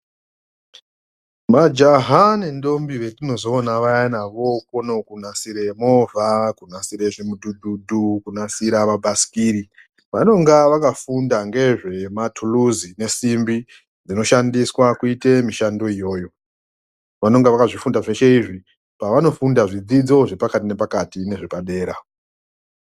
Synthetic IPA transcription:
mad͡ʒaɦane̞ndo̞mbiʋe̞tino̞zo̞ːnaʋajanaʋo̞kono̞kunasiɾe̞mo̞vʱakunasiɾeʐimududʱudʱukunasiɾaʋabʱasi̥kiːɾi | ʋano̞ŋɡaʋakafundaŋɡe̞ʐe̞matʰuluzine̞simbi | d͡zino̞ʃandiswakuite̞miʃando̞ijo̞ːjo̞ | ʋano̞ŋɡeʋakaʐifundaʐe̞ʃe̞iʐi | paʋano̞fundaʐid͡zid͡zo̞ʐe̞pakatine̞pakatine̞ʐepaɗe̞ːɾa

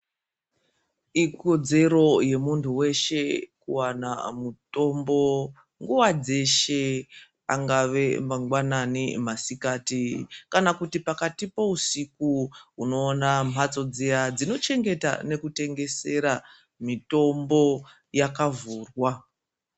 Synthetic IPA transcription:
iko̞d͡ze̞ɾo̞je̞muntʰuwe̞ʃe̞kuwana̰muto̞mbo̞ | ŋɡuwad͡ze̞ʃe | aŋɡaʋe̞maŋɡwananḭmasikaːtikanakutipakatipo̞usikuuno̞ːnamat͡so̞d͡zejad͡zino̞t͡ʃe̞ŋɡe̞ta̰ne̞kute̞ŋɡe̞se̞ɾa | mito̞mbo̞ | jakavuːrwa

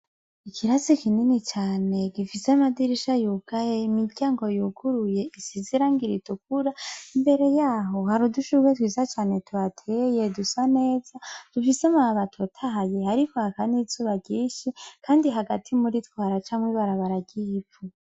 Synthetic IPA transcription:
ikʰiɾazikininit͡ʃaːne̞ɡifisemadiɾiʃajuːɡ̥ajeimiɾɟaːŋɡo̞juɡuɾuje̞isiziɾaːŋɡiɾituk̚uɾaimbe̞ɾe̞jaːɦo̞haɾuduʃuwetwiːzat͡ʃaːne̞tʰuatʰeje̞dusane̞ːzad̥ufisemaβatʰotʰaɦajehaɾikohakanizuːβaɟiːʃikʰaːndiɦaɡatʰimuɾitwaːɾat͡ʃamwiβaɾaβaɾaɟifu

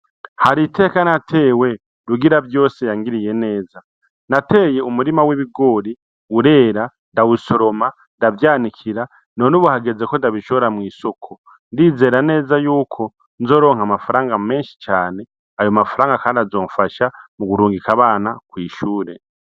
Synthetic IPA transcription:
haɾitʰe̞ːkanatʰe̞ːwe̞ | ɾuɡiɾabjo̞ːsejaŋɡiɾije̞ne̞ːza | natʰe̞ːje̞umuɾimaweβiɡo̞ːɾi | uɾe̞ːɾa | ndawuso̞ɾo̞ma | ndavjaːnikʰiɾa | no̞nuβuhaɡe̞ze̞ko̞ndaβiʃoβoɾamwiːso̞kʰo̞ | ndiːze̞ːɾane̞ːzajuːkʰo̞ | nzo̞ːɾo̞ːŋ̥hamafaɾaːŋɡame̞ːnʃi̥t͡ʃaːne̞ | ajomafaɾaːŋɡakaːndiazo̞ːɱfaʃamuɡuɾuːŋɡikaβaːnakwiːʃuːɾe̞

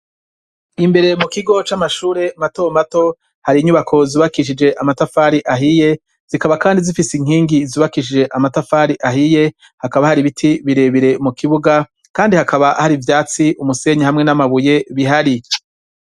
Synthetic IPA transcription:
imbe̞ɾe̞mukiɡot͡ʃamaʃuːɾe̞matomato̞ | haɾiːɲuβakʰo̞ziβakiʃ̬id͡ʒe̞ʔamatafaːɾiʔaɦije̞ | z̥ikaβakaːndizifisiŋ̥hiːŋɡiziːβakiʃ̬id͡ʒe̞ʔamatafaːɾiʔaɦije̞ | hakaβahaɾiβitʰiβiɾe̞βiɾe̞mukiβuɡa | kaːndihakaβaʔhaɾivjaːt͡siʔumuse̞ɲehamŋe̞namaβuje̞βiɦaɾi

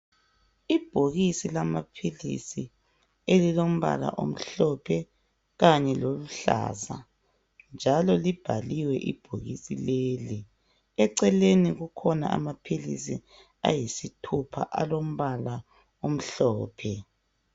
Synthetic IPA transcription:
ib̥ʱoɣisilamapʰilḭsi | elilom̩βa̰la̰ʔom̩ɬɔpʰɛ | ɣaɲɛloluɬa̰ːza̰ | nd͡ʒʱalɔlib̥ʱaliwɛʔḭb̥ʱoɣḭsileːli | ɛǀɛleniɣukʰɔna̰a̰mapʰilḭsi | a̰jisitʰupʰa̰ʔalom̩βala | om̩ɬɔːpʰɛ

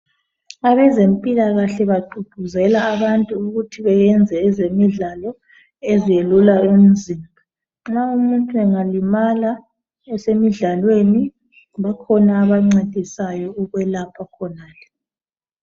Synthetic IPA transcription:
aβɛzempʼilaɣaɬɛβaɡ͡ǃʱuɡ̥ʱuzɛlaːβantʼuːɣutʰiβɛjɛnd͡zʱɛːzemiɮalɔ | ezijelulaum̩zimbʱa | ŋ͡ǁaumuntʼuɛŋalimala | ɛsemiɮalweni | βakʰɔnaːβaŋ͡ǀad̥ʱisajɔuɣwɛlapʰakʰɔnaːlɛ

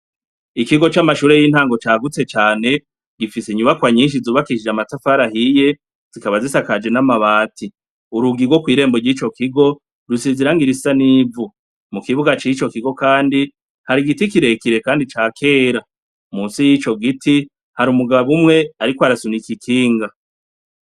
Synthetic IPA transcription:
ikiɡo̞t͡ʃamaʃuːɾe̞jiːnhaːŋɡo̞t͡ʃaːɡut͡se̞t͡ʃaːne̞ | ɡ̥ifiseɲuβakwaɲiːnʃ̬izuːβakiʃid͡ʒamatafaɾahije̞ | z̥ikaβazisakad͡ʒe̞namaβaːtʰi | uɾuɡiɾɡwo̞kwiːɾe̞ːmboɾjiːt͡ʃo̞kiɡo̞ | ɾusiziɾaŋɡiɾi̥sanivu | mukiβuɡat͡ʃit͡ʃo̞kiɡo̞kaːndi | haɾiɡitikiɾe̞kiɾe̞kaːndit͡ʃaːkʰe̞ːɾa | muːnsijit͡ʃo̞ɡitʰi | haɾumuɡaβaβumŋe̞aɾikwoaɾasunikikʰiːŋɡa

